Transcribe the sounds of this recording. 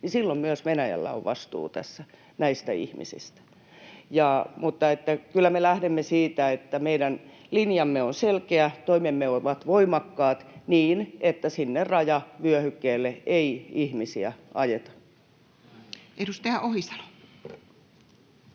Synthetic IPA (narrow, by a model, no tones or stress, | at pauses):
nisilːommyøsʋenæjæ̰lːæ̰o̰ʋʋɑst̪ṵːt̪æsːæ | næist̪æḭhmḭsḭst̪æ̥ | jɑmut̪ːɑet̪ːækylːˑæmelæhdemːesiːt̪æet̪ːæmeiɾæn | linjɑmːeonselkeæt̪oimemːeoʋɑt̪ʋoimɑkːɑːt̪niːnʔet̪ːæsinːerrɑjɑʋyøhykːeːlːeeiihmisiæʔɑjet̪ɑ̥ | ʔedust̪ɑjɑʔohisɑ̥lo̥